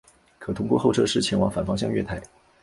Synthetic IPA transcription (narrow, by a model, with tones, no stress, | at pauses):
kʰɤ˨˩t̪ʰʊ˥ŋkwɔ˥˧xo˥˧ʊʈ͡ʂʰɤ˥˧ʂɻ̩˥˩t͡ɕʰjɛ˧˥nwɑ˨˥ŋfa˨˩nfɑ˥ŋɕjɑ˥˧ŋɥɛ˥˧t̪ʰa˥˩ɪ